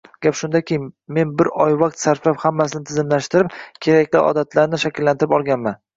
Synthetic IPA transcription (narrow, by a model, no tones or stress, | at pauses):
ɡʲapʃʊnd̪akʲejɪme̞nbɪɾɒjvaq̚t̪saɾflaphamːasɪnɪt̪ʰɪzɪmlaʃt̪ɪɾɪp̚kʲʰe̞ɾakʲlɪʔɒ̰d̪at̪ʰlaɾnɪʃakʲɪlːant̪ʰɪɾɪpɒlˠɡʲanman